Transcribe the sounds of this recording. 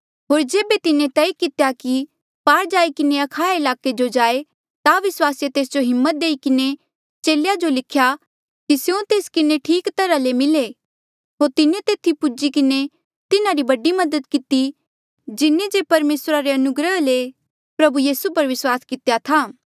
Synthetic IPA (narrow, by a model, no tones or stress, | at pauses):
ɦoːɾd͡ʒeːbet̪ɪnẽt̪ɛikɪt̪ejaki | paːɾd͡ʒaːikɪneɐkʰaːɪlaːked͡ʒod͡ʒaːe | t̪aʋɪswaːsjet̪eːs̬d͡ʒoɦɪmːət̪̚d̪eːikɪne | t͡ʃeːljad͡ʒolɪkʰja | kisjõt̪eːskɪneʈʰiːkt̪ɐɾalemɪle | ɦoːɾt̪ɪnẽt̪eːt̪ʰipʊd͡ʒikɪne | t̪ɪnaɾibɐɖimɐd̪ət̪kɪt̪i | d͡ʒɪnẽd͡ʒeːpɐɾmeːsɾaɾeɐnʊɡɾəle | pɾɐbujiːsupɐɾʋɪswaːskɪt̪ejat̪ʰaː